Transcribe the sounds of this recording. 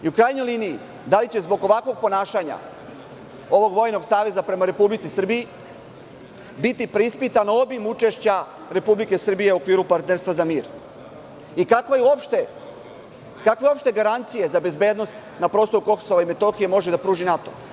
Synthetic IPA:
iukɾaːjno̞jliːniji | d̪alit͡ɕe̞zbo̞ɡo̞ʋakʋo̞ɡ̚po̞naːʃaɲa̰ | o̞ʋo̞ɡʋo̞jno̞ɡsaːʋe̞zapɾe̞maɾe̞publit̪sisɨr̩biji | bit̪ipɾeispit̪anao̞bimut͡ʃe̞ʃt͡ɕa | ɾe̞publike̞sr̩bije̞uokʋiːɾupaɾt̪neɾst̪ʋazamiːɾ | ikakʋajuopʃt̪e | kakʋeo̞pʃt̪e̞ɡaɾant̪sije̞zabe̞zbe̞ːd̪no̞st̪ | napɾost̪o̞ɾuko̞xso̞ʋaime̞t̪o̞xije̞mo̞ʒed̪apɾuːʒinat̪o̞̰

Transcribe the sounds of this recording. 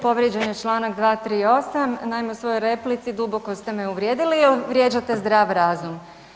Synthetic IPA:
po̞ʋɾʲjed͡ʑeɲet͡ʃlˠaːnakd̪ʋaːt̪ɾiːo̞samnajmeusʋo̞jojɾe̞plit̪sid̪ubo̞ko̞st̪e̞meuʋɾje̞ːd̪ilielʋɾje̞ːd͡ʑat̪e̞zd̪ɾaːʋɾaːzum

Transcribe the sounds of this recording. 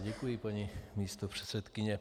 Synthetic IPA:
ɟɛkujɪpaɲimiːst̪opr̝̥ɛ̥t̪sɛt̪kɪɲɛ

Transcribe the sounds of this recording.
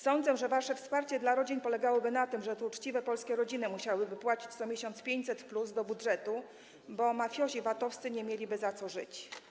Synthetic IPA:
sɔnd̪zɛʐɛvaʂɛfspaɾt͡ɕɛd̪laɾɔd͡ʑinpɔlɛɡawɔbɘnat̪ɘmʐɛt̪ut͡ʂt͡ɕivɛpɔlskʲɛɾɔd͡ʑinɘmuɕawɘbɘpwat͡ɕi̥t͡ɕt̪sɔmʲjeɕɔnt̪spʲjeɲt͡ɕʲsɛt̪pluzd̪ɔbudʐɛt̪u | bɔmafʲjɔɕivat̪ɔfst̪sɘɲɛmʲjelʲibɘzat̪sɔʐɘ̰t͡ɕ

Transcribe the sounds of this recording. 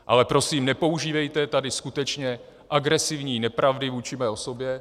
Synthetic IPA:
ʔa̰lɛpɾo̞siːmnɛpo̞uʒiːvɛjt̪ɛt̪adɪskut̪ɛt͡ʃɲɛ | ʔaɡɾɛsɪvɲiːnɛpɾavdɪvuːt͡ʃɪmɛːo̞so̞bjɛ

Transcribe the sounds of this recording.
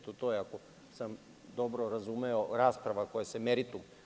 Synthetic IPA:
t̪ot̪ojeako | sam | d̪obɾoɾazumeoɾaːspɾaʋakojasemeɾit̪um

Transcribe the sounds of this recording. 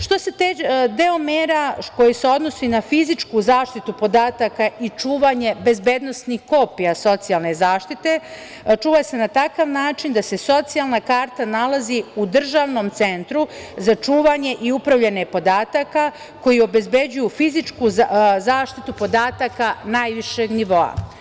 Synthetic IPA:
ʃt̪o̞set̪ed̪eomeːɾako̞jise̞o̞d̪no̞sinafizit͡ʃkuːzaːʃt̪it̪upo̞d̪aːt̪akait͡ʃuːʋaɲe̞be̞zbed̪no̞snixko̞pijaso̞t̪sijalˠne̞zaːʃt̪it̪e̞ | t͡ʃuːʋase̞nat̪akaʋnaːt͡ʃind̪ase̞so̞t̪sijalˠnakaːɾt̪analˠaziud̪r̩ʒaʋno̞mt̪sent̪ɾuzat͡ʂuːʋaɲe̞ʔiupɾaʋʎenepo̞d̪aːt̪aka | ko̞jio̞be̞zbe̞d͡ʑujufizit͡ʃkuzaːʃt̪it̪upo̞d̪aːt̪akanaːjʋiʃeɡniʋo̞a̰

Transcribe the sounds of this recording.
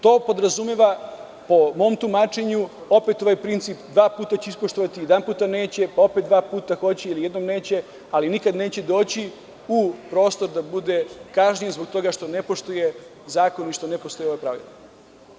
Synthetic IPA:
t̪o̞ːpo̞d̪ɾazumeʋa | po̞mo̞mt̪umaːt͡ʃe̞ɲuo̞pet̪o̞ʋajpɾint̪siːpd̪ʋaːpuːt̪at͡ɕeispoʃt̪oʋat̪ijed̪anpuːt̪ane̞ːt͡ɕe̞pao̞pet̪d̪ʋaːpuːt̪axo̞t͡ɕeilije̞d̪nomne̞ːt͡ɕe̞ | alinikad̪ne̞ːt͡ɕe̞d̪o̞ːt͡ɕi | upɾo̞ːst̪o̞ɾd̪abud̪e̞kaʒɲijezbo̞ɡ̚t̪o̞ɡaʃt̪o̞nepo̞ʃt̪uje | zaːko̞niʃt̪o̞nepo̞st̪o̞jeo̞ʋajpɾaʋḭla

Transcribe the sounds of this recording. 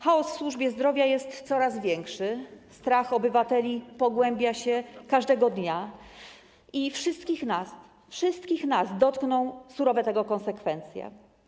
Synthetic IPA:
xaɔsfswuʐbʲjɛzd̪ɾɔvʲjajɛst̪sɔɾazvʲjɛŋkʂɘst̪ɾaxɔbɘvat̪ɛlʲipɔɡwɛmbʲjaɕɛkaʐd̪ɛɡɔd̪ɲa | ifʂɘst̪̚kʲixnas | fʂɘst̪kʲixnasd̪ɔt̪knɔ̃w̃suɾɔvɛt̪ɛɡɔkɔ̃nsɛkfɛnt̪sʲjɛ̰

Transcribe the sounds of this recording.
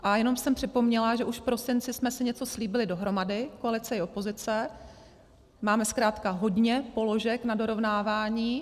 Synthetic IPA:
ʔajɛno̞msɛmpr̝̥ɪpo̞mɲɛlaʒɛʔuʃfpɾo̞sɪnt͡sɪsmɛsɪɲɛt͡so̞sliːbɪlɪdo̞ɦɾo̞madɪkoalɪt͡sɛɪo̞po̞zɪt͡sɛ | maːmɛskɾaːt̪kaɦo̞dɲɛpo̞lo̞ʒɛknado̞ɾo̞vnaːvaːɲiː

